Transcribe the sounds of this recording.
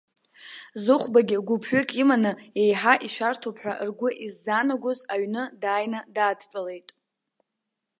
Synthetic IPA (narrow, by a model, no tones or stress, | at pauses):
zɨχʷbaɡʲɪɡʷupʰɥekʼimanɨejħaʔiʃʷᶣartʰopʰħʷᶣa̰ʔrɡʷʊʔizːaːnaɡʷozaɥnɨdaːjnadaːdt͡ʃʷʼale̞jtʼ